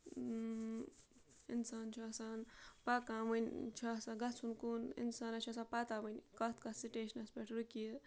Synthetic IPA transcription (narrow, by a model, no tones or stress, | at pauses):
insaːnt͡ʃʰuɐsaːnpakãːmɨnʲt͡ʃʰasãːɡɐt͡sʰunkunḭnsaːnɐt͡ʃʰas̬ãpaːt̪aːmɨnʲkɐt̪kɐsiʈeːʃnɐspʲeʈʰɾuki